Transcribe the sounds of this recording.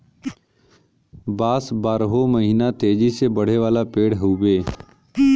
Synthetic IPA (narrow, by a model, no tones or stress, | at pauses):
baːsbaːɾɦoməɦiːnat̪eːd͡ʒisebəɽ̤eʋaːlapeːɽɦuːbeː